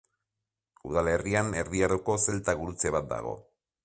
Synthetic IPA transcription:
uð̞ale̞riane̞ɾðiaɾuko̞se̞lt̪aɣuɾut͡se̞βat̪̚d̪a̰ɣ̞o̞̰

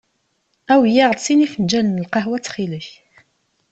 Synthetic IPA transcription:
æwjæʁðsinifənd͡ʒælənəlqɑɦwæt͡sːχiləç

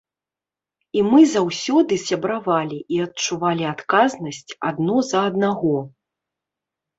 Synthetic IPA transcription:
imɨzawsʲɔd̪ɨsʲabɾavalʲiʔiɐt̚t͡ʂuvalʲiat̪kaznɐsʲt͡sʲad̪nɔzɐːd̪naɣɔ

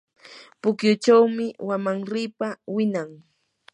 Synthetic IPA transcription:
pʊkjʊt͡ʃawmɪwamaŋɾɪːpawɪnaŋ

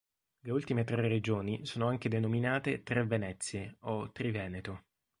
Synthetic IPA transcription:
leult̪imet̪ɾered͡ʒoːnisoːnoaŋk̟ed̪enominaːt̪et̪ɾevenɛt̪sːjeot̪ːɾivɛːnet̪o

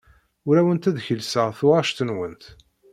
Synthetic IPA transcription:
ʊɾæwənt̪æðçəlsəʁθʊʁɑʃt̪ənwənt̪

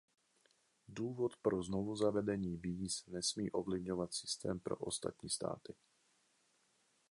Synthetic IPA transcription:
duːvot̪pɾoznovuzavɛdɛɲiːviːsnɛsmiːʔo̞vlɪvɲovat̪sɪ̥st̪ɛ̰ːmpɾo̞̰ʔost̪a̰t̪ɲiːst̪a̰ːt̪ɪ

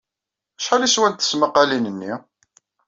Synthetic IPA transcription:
æʃħaliswænt̪θə̥sməqːɑlinənːḭ

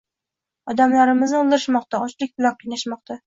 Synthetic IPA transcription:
ɒd̪amlaɾɪmɪznɪolˠd̪ɪɾɪʃmɒqt̪aɒt͡ʃlɪk̚ʲbʊlɒq̚inaʃmɒq̚t̪ʰa

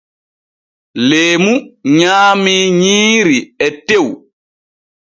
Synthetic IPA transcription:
leːmuɲaːmiɲiːɾiɛtew

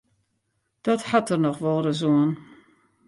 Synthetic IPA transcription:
d̥ɔthatərnɔxʋɔlˠdəzoən

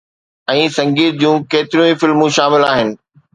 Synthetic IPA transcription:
ɛ̃ːsɐ̃ŋɡiːɾd͡ʑũːkeːt̪ɪɾijũifɪlmũʃaːmɪlaːɦɪnɪ̆

